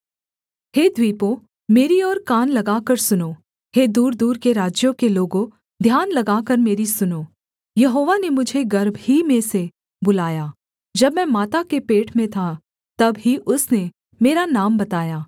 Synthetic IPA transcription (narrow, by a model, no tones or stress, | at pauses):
heːd̪ʱwiːpo | meːɾiɔːɾkaːnlɐɡaːkɐɾsʊnoː | heːd̪uːɾd̪uːɾkeɾaːd͡ʒjõkeloːɡõ | d̪ʱjaːnlɐɡaːkɐɾmeːɾisʊnoː | jɐɦoːʋanemʊd͡ʒʱeɡɐɾbhimẽse | bʊlaːjaː | d͡ʒɐbmɛ̃ːmaːt̪akepeːʈʰmẽt̪ʰa | t̪ɐbɦiʔʊsne | meːɾanaːmbɐt̪aːjaː